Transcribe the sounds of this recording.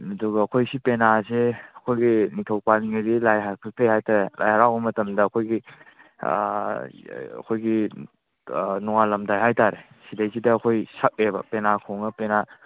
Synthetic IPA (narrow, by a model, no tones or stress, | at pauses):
ɐdɔɡɐɐkʰojsipenaseɐkʰojɡinitʰowpaliŋadilajɦakʰɯk̚tʰejhajtaɾelʔa̰jɦaɾawbɐmɐtɐmdɐːkʰojɡḭ | ɐ̰kʰojɡi | nɔŋalɐmdajɦajtaɾe | sidajsidɐːkʰojsak̚ebɐ̰penakʰowŋɐpena